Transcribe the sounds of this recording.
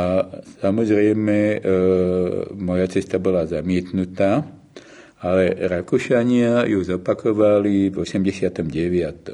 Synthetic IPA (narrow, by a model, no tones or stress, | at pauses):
asamɔzɾɛjmɛ | mɔjat͡sɛst̪abɔlazamɪɛt̪nut̪aː | alɛɾakuʃaɲɪajuzɔpakɔʋalivɔsɛmɟɛsɪat̪ɔmɟɛʋɪat̪ɔ